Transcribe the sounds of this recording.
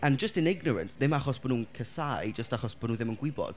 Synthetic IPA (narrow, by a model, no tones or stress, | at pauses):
and͡ʒəstɪnɪɡnɔɾə̰nsðɪmaχɔsb̥ɔnuːənkʰəsajd͡ʒəstaχɔsb̥ɔnuːðɪmənɡwɪbɔ̰d̥